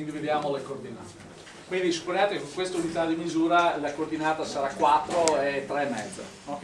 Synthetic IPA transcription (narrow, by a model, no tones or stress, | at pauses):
nd̪ived̪jaːmolekord̪ina̰ːt̪e | kwind̪isu̥pːonjaːt̪ekekoŋkwest̪aunit̪ad̪imizuːɾalakord̪inaːt̪asaɾakwat̪ːɾoɛt̪ːɾeːmːɛ̰d̪zḛnɔ